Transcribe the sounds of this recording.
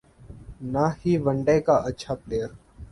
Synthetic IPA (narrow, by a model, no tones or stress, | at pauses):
naːhiːʋəɳɖeːkaʔɐtːʃʰapleːəɾ